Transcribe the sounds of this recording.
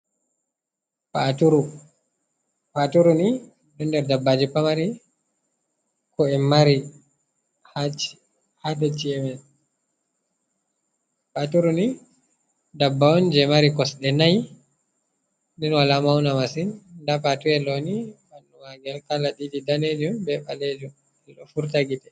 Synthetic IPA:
patuɾu | patuɾuni | ɗɔndɛɾdabːad͡ʒipːamaɾi | kɔɛmːaɾi | ha | hadɛt͡ʃiɛmɛn | patuɾuni | dabːaɔnd͡ʒɛmaɾikɔsɗɛnaj | dɛnwalamawnamasindapatuɛlonibanːumaɡɛlkalaɗididaned͡ʒumbɛɓaled͡ʒum | ɛlɔfuɾtaɡitɛ

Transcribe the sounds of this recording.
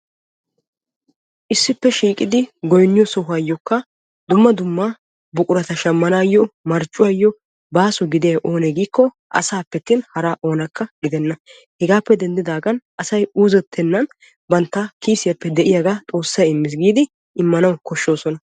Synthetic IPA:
ʔɪsːɪpːɛʃiːkʼɪd̪ɪɡɔjnːɪjɔsɔhʊaːjːɔkːɐ | d̪ʊmːɐd̪ʊmːa | bʊkʼʊɾɐt̪ɐʃɐmːɐnaːjːɔmɐɾt͡ʃʼːʊwaːjːɔ | baːsʊɡɪd̪ɪjɐʔo̞ːnɛɡiːkːɔ | ʔɐ̰saːpːɛt̪ːɪnhɐɾaːʔo̞ːnɐkːɐɡɪd̪ɛnːɐ | hɛɡaːpːɛd̪ɛnd̪ɪd̪aːɡɐnʔɐsɐjuːzɛt̪ʰːɛnːɐn | bɐnt̪ːɐkiːsɪjɐpːɛd̪ɛʔɪjaɡat̪ʼo̞ːsːɐjɪmːɪs̬ɡiːd̪ɪ | ʔɪmːɐnɐwkɔʃːo̞ːsɔnɐ

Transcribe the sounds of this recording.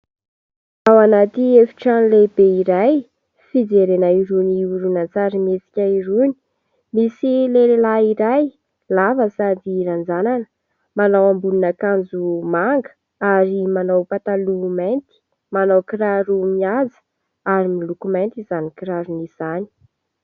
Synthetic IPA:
awanat̪iefi̥ʈ͡ʂanilebeiɾaj | fid͡zeɾenaiɾuniuɾunant͡saɾimet͡si̥kʲaiɾuni̥ | misilelelaiɾaj | lavəsad̪iɾand͡zananə | manawambununakand͡zumaŋɡə̥ | aɾimanawpat̪alumant̪i̥ | manawkiɾaɾumiazə̥ | aɾimilukumant̪izanikiɾaɾuniz̥ani̥

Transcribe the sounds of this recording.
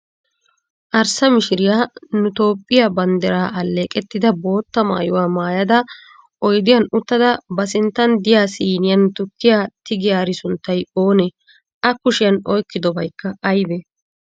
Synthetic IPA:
ʔɐɾsɐmɪʃɪɾɪjaːnʊt̪o̞ːpʼːɪjabɐnd̪ɛɾaːʔɐlːeːkʼɛt̪ːɪd̪ɐbo̞ːt̪ːɐma̰ːjʊwaːmaːjɐd̪ɐ | ʔɔjd̪ɪjɐnʊt̪ːɐd̪ɐbɐs̬ɪnt̪ːɐnd̪ɪjaːsiːnɪjɐnt̪ʊkːɪjaːt̪ɪɡɪjaːɾɪsʊnt̪ːɐjo̞ːnɛ | ʔɐkʊʃɪjɐnɔjkːɪd̪ɔbɐjkːɐʔɐjd̪ɛ

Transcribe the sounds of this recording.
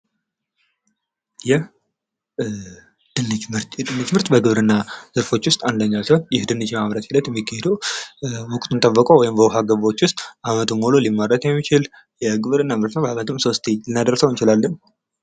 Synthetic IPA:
jɛh | d̪̥ɨnːɨmɨɾt̪jɛd̪ɨnːɨd͡ʒmɨɾt̪bəɡɨβɾɨnːaz̥ɨɾfo̞t͡ʃːwʊst̪ʼand̪əɲːasəhonjɪhd̪ɨnːɨd͡ʒmaβɾət̪hɪd̪ət̪jɛmːikʰːəhed̪əwmɔkʼt̪ʰunt̪ʰʼəbːəkʼowɔjɪmbəɦaɡəβo̞t͡ʃːwʊst̪ʼʔamət̪ʰumːololimːəɾːət̪jɛmːit͡ʃɪl | jɛɡɨβɾɨnːamɨɾt̪nəwbamət̪ʰɨmso̞st̪ʰeɨnːad̪əɾəsəwjɨnt͡ʃɪlalːən

